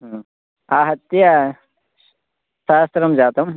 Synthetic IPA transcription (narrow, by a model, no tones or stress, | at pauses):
aːɦɐt̪ːjɐ | ʃaːst̪ɾɐmd͡ʒaːt̪ɐm